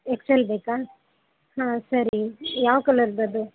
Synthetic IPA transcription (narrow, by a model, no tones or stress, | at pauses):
ekselbeːkaː | ɦãːsɐɾijaːʋɐkɐlɐɾd̪ɐd̪u